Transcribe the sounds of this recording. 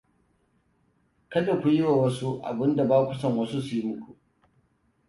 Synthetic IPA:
kɐ˦da˨kʷu˨jɪ˦wa˨wɐ˦su˦ʔa̰˨bɪ˦nda˨baː˦kʷʊ˨sɐ˨ŋwɐ˦su˦su˨ji˦mʊ˦kʷu˨ʔ

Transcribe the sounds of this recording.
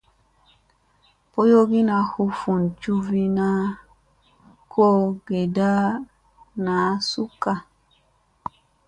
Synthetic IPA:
po˦jo˦ɡi˦na˨hu˦fu˨nt͡ʃu˦vi˦na˦ | kʰo˦ɡe˨da˦ | na˨˦su˦ka˨

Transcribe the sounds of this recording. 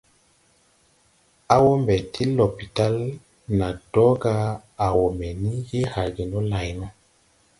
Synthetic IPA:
a˦wo˦mbɛ˨tʰi˦lo˨pi˨ta˦l | na˨d̥ɔ˦ɡa˦a˨wo˨mɛ˨ni˦je˦ha˨ɡi˨nɔ˦la˨jnɔ˦

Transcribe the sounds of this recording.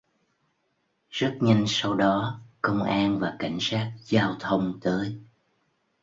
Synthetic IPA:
z̥ə˦˥t̚ɲə˧jŋ̟sa˧wɗɔ˨˦kə˧wŋ͡mʔaː˧nvaː˨˩ka˧˩jŋ̟saː˦˥k̚zaː˧wt̪ʰə˧wŋ͡mt̪əː˨˦j

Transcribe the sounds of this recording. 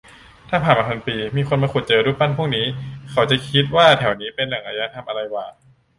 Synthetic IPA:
t̪ʰaː˥˩pʰaː˨˩nmaː˧pʰa˧npiː˧miː˧xʰo˧nmaː˧ku˨˩t̪̚t͡ɕɤː˧ɾuː˦˥˩pa˥˨npʰu˥˩ək̚niː˦˥kʰa˨˦wt͡ɕa˨˩kʰi˦˥t̪̚waː˥˩t̪ʰɛ˨˩˦wniː˦˥pe˧nla˨˩˦ŋʔaː˧jaː˧˥t̪ʰa˧mʔa˧ɾa˧jwaː˨˩

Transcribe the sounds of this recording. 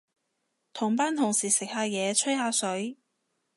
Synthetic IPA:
t̪ʰʊ˨˩ŋpaː˥nt̪ʰʊ˨˩ŋsiː˨˩sɪ˨k̚haː˧jɛː˨˧t͡ʃʰɵ˥jhaː˧sɵ˨˥ɥ

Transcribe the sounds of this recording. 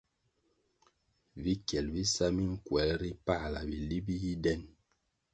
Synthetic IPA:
vi˦kjɛ˨lvi˦sa˦mi˦ŋ̩˦kwɛ˨˦lɾi˦pa˦˨la˨bi˨li˦bi˦ji˦dɛ˦˨n

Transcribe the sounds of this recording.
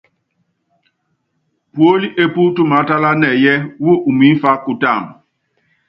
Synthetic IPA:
pwo˦li˦ʔe˦pu˦tu˦ma˨˦ta˦la˦nɛ˨jɛ˦wo˦ʔu˨mi˨˦fa˦ku˨ta˦˨m

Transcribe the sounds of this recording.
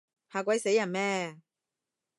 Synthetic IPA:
haː˨˧kʷɐ˨˥jse˨˧˥jːɐ˨˩nmɛː˧

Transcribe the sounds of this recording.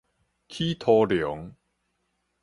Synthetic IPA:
kʰi˦t̪ʰɔ˧ljɔ˨˦ŋ

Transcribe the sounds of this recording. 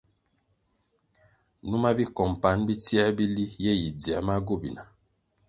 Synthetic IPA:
nu˦ma˦bi˦kɔ˨m˨pa˨˦nbi˦ti˦a˦bi˦li˦je˦ji˨di˨a˨˦ma˦ɡo˦˨bi˨na˨

